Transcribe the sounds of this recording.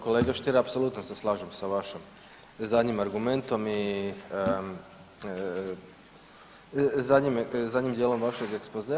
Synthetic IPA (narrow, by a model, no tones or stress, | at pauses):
ko̞leːɡaʃt̪iɾapsolut̪noseslˠaːʒemsaʋaʃim | zad̪ɲimaɾɡume̞nt̪o̞mi | zad̪ʲɲimzad̪ʲɲimd̪jelo̞mʋaʃeɡekspoze